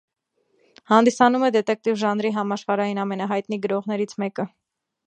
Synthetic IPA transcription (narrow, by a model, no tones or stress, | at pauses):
hɑnd̪isɑnumɛd̪ɛt̪ɛk̚t̪ivʒɑnɾiɦɑmɑʃχɑɾɑjinɑmɛnɑɦɑjt̪niɡəɾɔʁnɛɾit͡sʰmɛkə